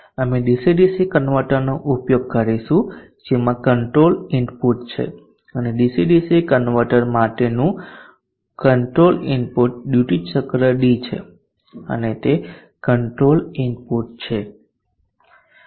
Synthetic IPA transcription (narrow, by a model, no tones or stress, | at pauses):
əmeɖisiɖisikənʋəʈəɾnoʔupjoɡ̚kəɾiʃũ | d͡ʒemãkəɳʈɾolinpuʈt͡ʃʰḛ | əneɖisiɖisikənʋəʈəɾmaʈenũ | kəɳʈɾolinpuʈ̚ɖjuʈit͡ʃəkɾəɖit͡ʃʰḛ | ə̰net̪e | kəɳʈɾolinpuʈ̚t͡ʃʰe